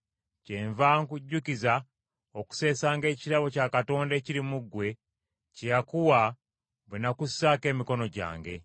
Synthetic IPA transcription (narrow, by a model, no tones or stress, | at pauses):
ceːɱvaːŋkuɟːukiza | oku̥se̞ːsaːŋɡe̞ːciɾaβo̞caːkato̞ːnde̞ːciɾimuɡwe̞ | cejakuwa | βwenakusake̞ːmiko̞no̞ɟa̰ːŋɡe̞̰